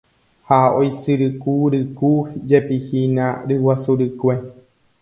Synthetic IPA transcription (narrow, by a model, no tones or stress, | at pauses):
haojsɨɾɨkuɾɨkud͡ʒepihinã̰ɾɨwasuɾɨkʷe